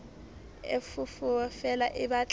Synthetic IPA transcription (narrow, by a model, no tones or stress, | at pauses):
ḛfʊfʊfɛlaʔɪbat͡ɬʼ